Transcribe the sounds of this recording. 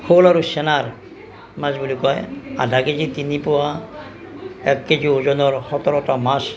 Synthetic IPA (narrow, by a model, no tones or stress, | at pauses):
holaɾusenaɾ | masbulikɔja̰dʱaked͡ʑit̪inipowa | ɛkːed͡ʒiod͡ʒɔnɔɾhɔt̪ɔɾɔtamas